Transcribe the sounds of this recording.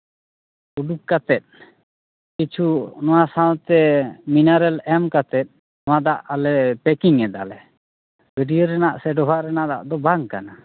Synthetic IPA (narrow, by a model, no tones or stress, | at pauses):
uɖuk̚kat̪ɛt̪̚ | kit͡ʃʰunɔwasawt̪ɛminaɾɛlɛmkat̪ɛt̪̚ˀ | nɔwad̪aʔalɛpɛkiŋɛd̪a̰lɛ | bəɖijəɾɛnaʔsɛɖɔbʱaʔɾɛnaʔd̪a̰ʔd̪ɔbaŋkana